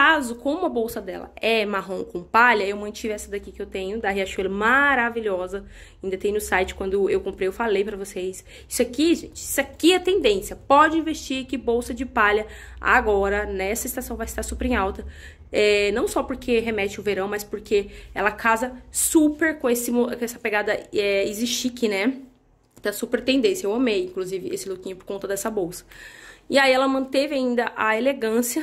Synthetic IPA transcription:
kazʊkõmʊɐbowsɐd̪ɛ̰lɐ̰ɛmaɦõkõpaʎɐewmɐ̃t͡ʃivɛsɐd̪akikɪewt̪ẽɲʊd̪aɦiaʃelɐmaɾaviʎɔzɐ | aĩd̪ɐt̪ẽj̃nʊsajt͡ʃɪ̥kwɐ̃nd̪ʊewkõmpɾejewfalejpɾɐvosejs | isʊakiʒẽt͡ʃɪisakiɛt̪ẽnd̪ẽsjɐpɔd͡ʒɪĩvest͡ʃiɾkɪbowsɐd͡ʒɪpaʎɐ | a̰ɡɔɾɐnɛsɐɪst̪asɐ̃w̃vajst̪aɾsupeɾẽawt̪ɐ | ɛnɐ̃w̃sɔpoɾkʰeɦemɛt͡ʃɪʊveɾɐ̃w̃mɐspoɾkʰeɛ̰lɐkʰazɐsupeɾkõesɪmokõɛsɐ̥peɡad̪ɐɛiziʃt͡ʃikɪnɛ | t̪supeɾt̪ẽnd̪ẽsjɐewɐ̃mejĩŋkluzivɪesɪlukĩɲʊpoɾkõnt̪ɐd̪ɛsɐbowsɐ̥ɪaiɛlɐmɐ̃t̪evɪaĩnd̪ɐʔaeleɡɐ̃siɐ

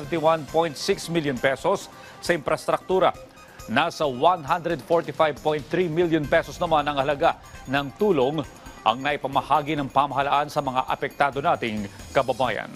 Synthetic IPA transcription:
vɛnt̪iwanpo̞jnt̪sɪksmiljonpɛso̞sː | ɐʔɪmpɾɐst̪ɾɐk̚t̪uːɾɐ | naːsɐwanɦand̪ɾɛd̪̚foɹt̪ɪfajvpojnt̪θɾimiljonpɛsosnɐmanɐŋɐlɐɡa | nɐŋt̪uːlo̞ŋʔɐ̰ŋnɐʔipɐmɐhaːɡinɐŋpamɐɦɐlaʔansɐmɐŋa̰ʔɐ̰pɛk̚t̪aːd̪o̞naːt̪ɪŋkɐbɐbaːjɐ̰n

